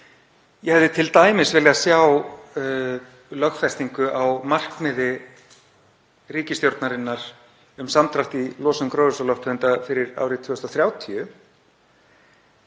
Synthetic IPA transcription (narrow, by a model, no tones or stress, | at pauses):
jɛhɛvðɪt̪ʰɪlt̪aːjmɪsvɪljasjaw | lœxfɛst̪iŋkʏʔawmar̥kmɪðɪ | riːcɪst̪jowɾt̪naɾɪnːaɾ̥ | ʏmsamt̪ʰɾaht̪ilɔːsʏmkɾowðʏsɔlɔht̪ʰʏnt̪afɪɾɪɾa̰ːwɾɪt̪ʰvʏːʏst̪ɔθɾjaːwt̪ʰiʏ